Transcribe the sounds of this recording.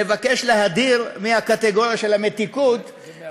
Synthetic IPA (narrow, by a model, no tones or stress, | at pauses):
evake̞ʃleɦad̪iʁmiakat̪eɡo̞ʁjaʃe̞lhamet̪ikut̪